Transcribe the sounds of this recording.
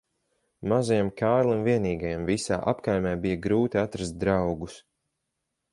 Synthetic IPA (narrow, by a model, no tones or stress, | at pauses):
mazajamkʰaːɾlˠimviɛniːɡajamvisa̰ːʔapkajmʲaːbijaɡɾuːt̪iat̪ɾast̪̚d̪ɾawɡus